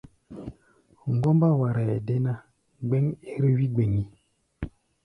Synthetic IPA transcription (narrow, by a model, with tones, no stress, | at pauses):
ŋ̩˨ɡɔ˦mba˦˨wa˨ɾa˨e˨de˦na˦ | ɡ͡be˦ŋe˦ɾi˦wi˦ɡ͡be˨ŋi˦